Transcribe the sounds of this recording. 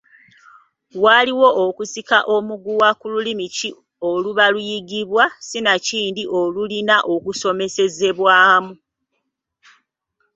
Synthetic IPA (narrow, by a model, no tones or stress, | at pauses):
waliwo̞ʔokusikaʔo̞muɡuwakululimici | oluβalujiɡiβwasinaciːndiʔo̞lulinaʔo̞kuso̞me̞se̞ze̞βwamu